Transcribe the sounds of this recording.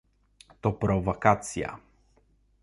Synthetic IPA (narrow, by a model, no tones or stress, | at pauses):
t̪opɾovokat̪sija̰